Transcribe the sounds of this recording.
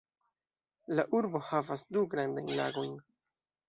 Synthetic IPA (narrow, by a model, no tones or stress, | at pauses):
laʔuɾbo̞havasduɡɾandajnla̰ɡo̞jn